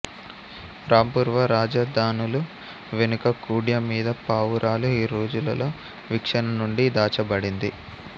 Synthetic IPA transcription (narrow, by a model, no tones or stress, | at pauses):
ɾaːmpuːɾʋɐɾaːd͡ʒɐd̪ʱaːnulu | ʋenukɐkuːɽjɐmiːd̪ɐpaːʋuɾʔaːluiːɾoːd͡ʒulɐ̰lo̞ː | ʋikʂɐnɐnuɳɖid̪aːt͡ʃɐbɐɽind̪i